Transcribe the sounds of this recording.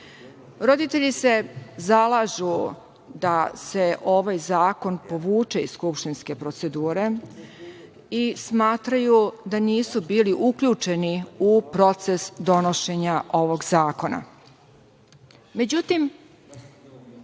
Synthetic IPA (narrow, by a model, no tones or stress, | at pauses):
ɾo̞d̪it̪eʎise̞zalˠaʒu | d̪ase̞ʔo̞ʋajzaːko̞npo̞ʋuːt͡ʃeiskupʃt̪inske̞pɾo̞t̪se̞d̪uːɾe̞ | ismaːt̪ɾajud̪aniːsubiːliʔukʎut͡ʃe̞niupɾo̞t̪se̞sd̪o̞no̞ʃe̞ɲaʔo̞ʋo̞ɡzaːko̞na̰ | me̞d͡ʑut̪im